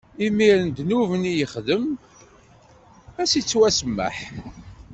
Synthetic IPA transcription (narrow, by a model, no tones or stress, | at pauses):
imiɾənd̪nuvənijəχðəm | æsit͡sːwæsəmːə̰ħ